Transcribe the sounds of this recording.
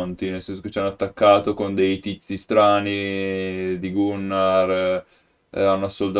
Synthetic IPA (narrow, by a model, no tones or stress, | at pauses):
nt̪inelsɛnsoke̥t͡ʃːianːoat̪ːakːaːt̪okond̪ejt̪it̪sist̪ɾaːni | d̪iɡunːar | anːoasolt̪